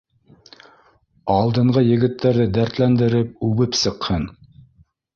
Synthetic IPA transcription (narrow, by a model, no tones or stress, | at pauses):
ɑlˠd̪ɤ̆ɴɢʁɤjɘ̆ɡɘ̆t̪ːæɾðɘd̪æɾt̪lænd̪ɘ̆ɾɘp̚ʉβɘpsɤ̆qhɤn